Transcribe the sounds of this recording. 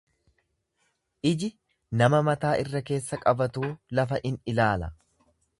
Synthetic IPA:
ʔɪd͡ʒɪ | nɐmɐmɐt̪aːʔɪrːɐke̞ːsːɐkʼɐbɐt̪uːlɐfɐʔɪnɪlaːlɐ

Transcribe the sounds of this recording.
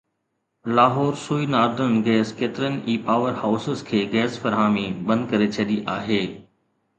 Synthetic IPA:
laːɦɔːɾsuːinaːɾd̪əɾən̆ɡɛːskeːt̪ɪɾənɪ̆ʔiːpaːʋəɾhaʊsəzkʰeːɡɛːsfɐɾɦaːmibɐ̃nd̪̚kɐɾet͡ɕʰɐɗiʔaːɦeː

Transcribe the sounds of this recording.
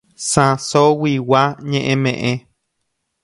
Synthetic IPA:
sãsowiwaɲẽʔẽmẽʔẽ

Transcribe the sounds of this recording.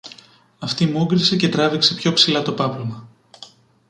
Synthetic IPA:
ɐft̪imuɡɾise̞ce̞t̪ɾɐvikse̞pço̞psilɐt̪o̞pɐplomɐ

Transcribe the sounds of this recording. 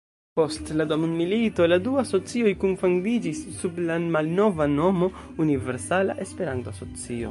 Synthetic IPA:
po̞stladomunmilito̞laduaso̞t͡sio̞jkunfuŋdid͡ʒisːublamalno̞vano̞mo̞ | unive̞ɾsala̰ʔespe̞ɾantoaso̞t͡sio̞̰

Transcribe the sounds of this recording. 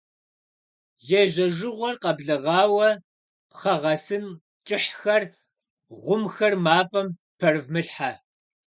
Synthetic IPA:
jɛʒɐʒɪʁʷɔrqɐbɮɨʁɑːwɐ | χɐʁɐsɨn | t͡ʃʼɪħxɐr | ʁʷʊmxɐrmaːfʼɐm | pʰɐrɨvmɨɬħa

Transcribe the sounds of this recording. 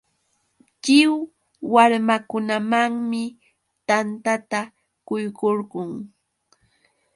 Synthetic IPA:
t͡ʃɪw | waɾmakʊnamaŋmɪ | t̪ant̪at̪a | kʊjkoɾɢʊŋ

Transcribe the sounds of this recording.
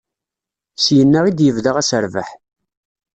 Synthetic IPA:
sjənːəʁid̪jəvðaʁæsəɾvə̰ħ

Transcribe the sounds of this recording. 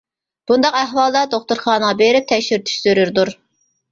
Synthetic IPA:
b̥und̪ɑqæɦwɑlˠd̪ɑd̪oχt̪uɾχɑːnəʁɑbeɾɪp̚t̪ʰɛkʲʃyɾt̪ʰy̥ʃsyɾyɾd̪uɾ

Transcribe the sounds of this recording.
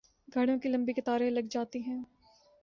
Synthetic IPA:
ɡʱɐɽ̃õkilɐ̃mbikɪt̪aːɾẽlɐɡd͡ʒaːt̪iɦɛ̃ː

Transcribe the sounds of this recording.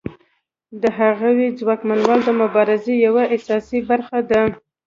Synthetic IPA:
d̪əɦaɣawed͡zwɑkmanwɑld̪əmʊbɑɾɪzejawaasɑsibaɾxad̪a

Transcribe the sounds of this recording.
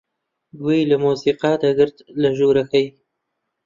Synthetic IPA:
ɡwelamusiqɑd̪aɡəɾt̪laʒuɾaxaj

